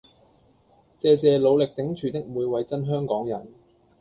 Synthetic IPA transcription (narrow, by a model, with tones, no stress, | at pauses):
t͡sɛː˧t͡sɛː˨˧lo˨˧wlɪ˨k̚t̪ɪ˨˥ŋt͡ʃʰyː˨˩t̪ɪ˥k̚muː˨˧jwɐ˨˧jt͡sɐ˥nɦœː˥ŋkɔː˨˥ŋjɐ˨˩n